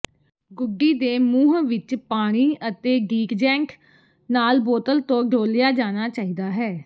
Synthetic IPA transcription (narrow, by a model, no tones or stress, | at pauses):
ɡʊɖːiːd̪eːmuːɦʋɪt͡ʃpaːɽ̃iːʔət̪eːɡiːkd͡ʒɛ̃ːŋk | naːlboːt̪əlt̪õːɡʱoːljaːd͡ʒaːñaːt͡ʃaːiːd̪aːɦɛː